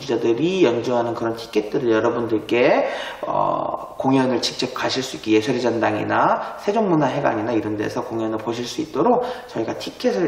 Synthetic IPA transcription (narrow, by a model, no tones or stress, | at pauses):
d͡ʑid͡ʑadɯɾijʌnd͡ʑuŋɦanɯnkɯɾʌntʰi̥kʰet̚t͈ɯɾɯɭjʌɾʌbundɯɭk͈e̞ʌ̰ | koŋjʌnɯɭt͡ɕi̥k̚t͡ɕ͈ʌp̚k͈aɕʰiɭs͈uik͈ːijesʰʌɾid͡ʑʌndaŋḭnasʰe̞d͡ʑoŋmunaɦe̞ɡa̰ɲinaiɾʌnde̞̰sʰʌkoŋjʌnɯɭpoɕʰiɭs͈uit̚t͈oɾok̚t͡ɕʌiɡatʰikʰesʰɯ